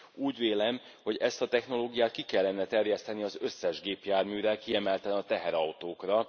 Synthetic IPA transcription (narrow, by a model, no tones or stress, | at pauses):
uːɟveːlɛm | ho̞ɟɛst̪ɒt̪ɛxno̞loːɡijaːt̪̚kikɛlːɛnːɛt̪ɛrjɛst̪ɛniɒzø̞sːɛʒɡeːpjaːrmyːɾɛlkiɛmɛlt̪ɛlɛnɒt̪ɛɦɛɾɒwt̪oːkrɒ